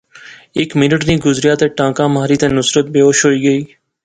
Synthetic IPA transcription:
ɪkmɪnəʈnĩːɡʊzɾɪjaːt̪ẽːʈãːkãːmɦaːɾiːt̪ẽːnʊsɾət̪̚beːoːʃɦoːiːɡəiː

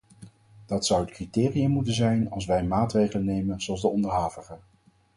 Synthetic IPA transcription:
d̥ɑtsʌwətkritɪːrijamutənzɛjnɑlˠs̬ʋɛjmaːtrejχələnejmənzowɑlˠzdəɔndəɹɦaːvəχə

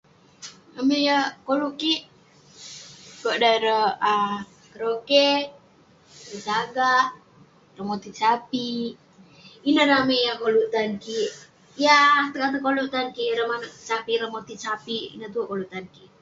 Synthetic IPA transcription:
əmejəkoluʔkiʔ | kodaɾəa | kəɾokɛ | ət͡ʃaɡaʔ | rəmot̪it͡ʃapi | inəɾamejakoluʔt̪ankiʔ | jat̪əkat̪əkolut̪ankiɾəmanət͡ʃapiɾəmot̪it͡ʃapiḭnət̪ukoluʔt̪anki

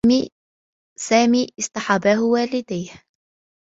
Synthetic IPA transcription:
i | saːmiːʔɪst̪ɑħɑbaːhʊwaːlɪd̪aːh

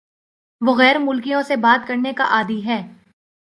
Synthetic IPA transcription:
ʋoɣɛːɾmʊlkijõsebaːt̪̚kɐɾnekaʔaːd̪iɦɛː

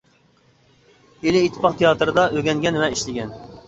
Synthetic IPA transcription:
elɪːt̪ʰːɪ̥pʰɑqt̪ʰejɑːt̪ɾɨd̪ɑʔøɡʲɛŋɡʲɛnvɛiʃlɪɡʲɛn

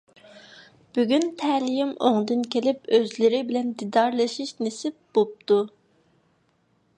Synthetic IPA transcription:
b̥yɡʲynt̪ʰɛlijimo̰ŋd̪ɨnkʲʰelɪpøzlɪɾɪbilɛnd̪id̪ɑɾlˠɑʃiʃnesɪp̚b̥olˠp̚t̪u

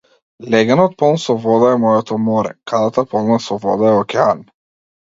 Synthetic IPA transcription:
lɛɡanɔt̪̚pɔlˠnsɔvɔd̪aɛmɔjɔt̪ɔmɔɾɛ̰kad̪at̪apɔlˠnasɔvɔd̪aɛɔkʲɛan

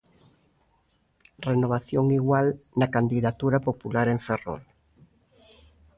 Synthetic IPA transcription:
renoβ̞aθjoŋiɣwalnakand̪iðat̪uɾapopulaɾeɱfero̰l

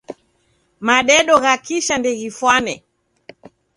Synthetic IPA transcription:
maɗɛɗɔɣakiʃandɛɣifwanɛ

